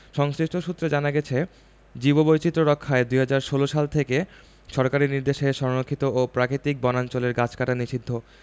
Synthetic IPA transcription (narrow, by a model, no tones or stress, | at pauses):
ʃɔŋsɾiʃʈʰoʃut̪ːɾod͡ʑanaɡɛt͡ɕʰe | d͡ʑibobojt͡ɕit̪ːɾoɾokʰːaed̪uɦad͡ʑaɾʃoloʃalt̪ʰeke | ʃɔɾkaɾiniɾd̪eʃeʃɔɾnokʰːit̪oʔopɾakɾit̪ik̚bɔnant͡ɕoleɾɡat͡ɕʰkaʈaniʃid̪ʱːo